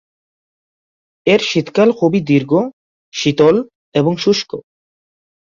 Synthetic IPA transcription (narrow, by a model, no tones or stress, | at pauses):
eɾʃit̪kalkʰubid̪iɾɡo | ʃit̪ol | eboŋʃuʃko